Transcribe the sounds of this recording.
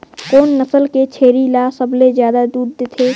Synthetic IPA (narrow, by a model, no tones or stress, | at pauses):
koːnːəsəlket͡ʃʰeːɾilasəblezjaːd̪ad̪uːɾd̪et̪ʰe